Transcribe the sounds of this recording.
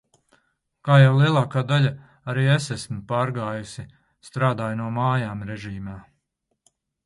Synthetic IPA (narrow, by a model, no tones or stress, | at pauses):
kaːjawlˠiɛlˠɑːkaːd̪aʎʲa | aɾiːesæsmpaːɾɡaːjusi | st̪ɾaːd̪aːjnuɔmaːjaːmɾɛʒiːmaː